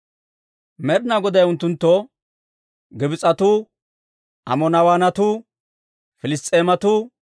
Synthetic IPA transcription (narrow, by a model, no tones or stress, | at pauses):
mɛɾɪnaɡɔd̪ɐjʊnt̪ːʊnt̪ːɔ | ɡɪbɪt͡sʼɐt̪uː | ʔɐ̰mɔnɐwaːnɐt̪uː | fɪlɪst̪ʼːeːmɐt̪u